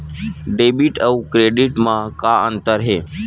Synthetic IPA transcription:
ɖeːbiʈəukɾeːɖɪʈmãkaə̃nt̪əɾɦeː

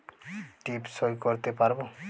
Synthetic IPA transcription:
ʈipsojkɔɾt̪epaɾbo

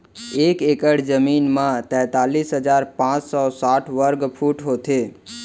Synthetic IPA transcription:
ekekəɽd͡ʒəminmãt̪ɛ̃ːt̪alisɦəd͡ʒaɾpãt͡ʃsɔsaʈʰʋəɾɡpʰuʈɦot̪ʰe

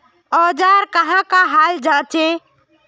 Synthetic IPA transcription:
ɔd͡ʒaɾkəɦãkaɦald͡ʒat͡ʃʰe

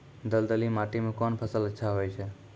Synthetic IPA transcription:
d̪əld̪əlimaʈimẽkɔnpʰəsələtːʃʰaɦojt͡ʃʰe

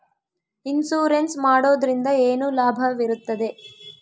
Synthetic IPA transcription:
insuːɾensmaːɽoːd̪ɐɾind̪ɐeːnulaːbʱɐʋiɾut̪ːɐd̪e̞

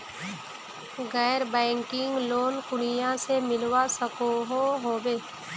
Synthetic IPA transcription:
ɣɛːɾbɛ̃ːŋkɪ̃ŋɡloːnkʊɽɪjãsemɪlwasəkoɦoɦoːbeː

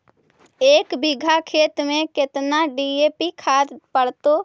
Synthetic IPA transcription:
eːkbɪɡʱakʰeːt̪mẽkɪt̪naɖieːpikʰaːd̪pəɽt̪oː

